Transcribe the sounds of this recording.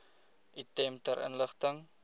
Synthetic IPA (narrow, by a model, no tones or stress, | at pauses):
ʔitɛmtəɾʔə̰nləχtəŋ